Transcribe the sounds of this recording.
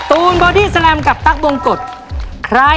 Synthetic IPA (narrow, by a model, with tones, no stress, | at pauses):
t̪uː˧nɓɔː˧ɗi˧sala˧mka˧p̚t̪a˥ʔ̚ɓo˧ŋko˩t̪̚ | kʰra